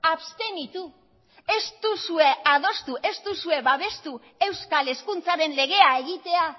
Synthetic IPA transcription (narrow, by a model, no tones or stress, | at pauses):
aβst̪e̞nit̪u | e̞st̪usue̞að̞o̞st̪uʔe̞st̪usue̞βaβe̞st̪u | e̞wskale̞skunt͡saɾe̞nle̞ɣ̞e̞aeɣ̞it̪e̞a